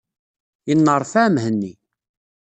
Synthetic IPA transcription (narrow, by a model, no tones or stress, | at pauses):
jənːərˤfæmɦənːi